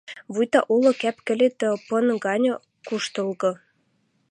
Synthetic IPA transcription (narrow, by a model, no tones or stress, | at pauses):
βujt̪ɑʔulɤ̆kæpkɘ̆lʲet̪əpɤ̆nɡɑnʲɤ̆ | kuʃt̪ɤ̆lˠɣɤ̆